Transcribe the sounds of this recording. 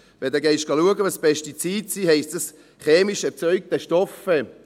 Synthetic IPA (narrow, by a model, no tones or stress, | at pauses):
vɛd̪ɛɡɛɪʃt̚ɡ̥ɑluəɡəʋɑspʰɛʃtit͡siːtsiːhɛɪstəs | χeːmiʃɛt͡sœʏk̚d̥̪ɛʃtɔfɛ